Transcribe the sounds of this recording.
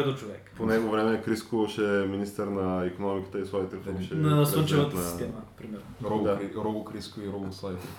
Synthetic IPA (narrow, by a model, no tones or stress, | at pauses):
ɛd̪ot͡ʃovɛkponɛɡovɾɛmɛkɾiskoʃɛminist̪əɾnɐikonɔmikə̥t̪əisvɔit̪ɛfoʃɛasont͡ʃɛvɐt̪ɐnsɐi̥t̪ɛmɐnɐpɾimɛɾɾod̪aɾoɡokɾiskoiɾoɡosajt̪